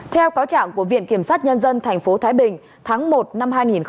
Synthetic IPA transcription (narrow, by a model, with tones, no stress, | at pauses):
t̪ʰɛ˧wkaː˨˦wt͡ɕa̰ː˧˨ŋku˧˩əvḭ˧˨ənki˧˩əmsaː˦˥t̚ɲə˧nzə˧nt̪ʰɛ˨˩jŋ̟fo˨˦t̪ʰaː˨˦jɓï˨˩ŋ̟ | t̪ʰaː˨˦ŋmo˨˩t̚na˧mhaː˧jŋi˨˩nx